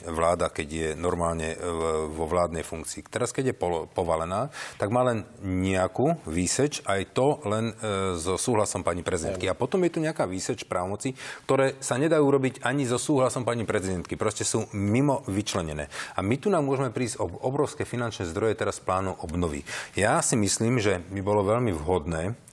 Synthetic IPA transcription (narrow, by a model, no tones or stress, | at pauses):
ʋlaːd̪akɛɟjɛnɔɾmaːlɲɛ̰ʋɔʋlaːd̪nɛjfuŋkt͡siːt̪ɛɾaskɛɟjɛpɔpɔʋalɛnaːt̪aɡmaːlɛnɲɛakuːʋiːsɛt͡ʃajt̪ɔlɛnzɔsuːɦlasɔmpaːɲipɾɛzid̪ɛnkiapɔt̪ɔmjɛt̪uɲɛakaːʋiːsɛt͡ʃpɾʔaːʋɔmɔt͡sik̚t̪ɔɾɛːsaɲɛd̪ajuːɾɔbiɟaɲizɔsuːɦlasɔmpaːɲipɾɛzid̪ɛnt̪kipɾɔscɛsuːmimɔʋit͡ʃlɛɲɛnɛ̰ːamit̪unamʊɔʒɛmɛpɾiːzɟɔɔbɾɔʊskɛːfinant͡ʃnɛːzd̪ɾɔjɛt̪ɛɾasplaːnɔʊʔɔbnɔʋḭjasimisliːmʒɛbibɔlɔʋɛʎmivɦɔd̪nɛː